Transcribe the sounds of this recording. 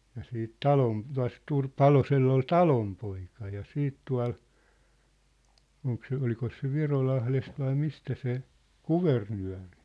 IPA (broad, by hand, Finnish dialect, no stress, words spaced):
jɑ siːt tɑlom tuɑ̝s pɑloselː ol tɑlompoikɑ jɑ siːt tuɑ̝l oŋk se olikos se ʋirolɑhlest ʋɑi mistæ se kuʋernyæ̝ri̥